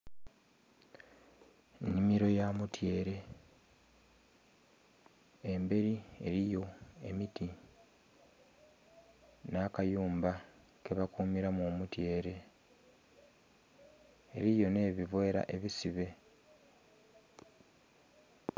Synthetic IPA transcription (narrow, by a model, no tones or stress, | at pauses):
nimiɾo̞jamutje̞ːɾe̞ | embe̞ɾie̞̰ɾijo̞e̞miti | nakajuːmba | ke̞βakuːmiɾamoːmutje̞ːɾe̞ | ɾijo̞ne̞ːβivwe̞ːɾa̰ʔe̞βisiβe̞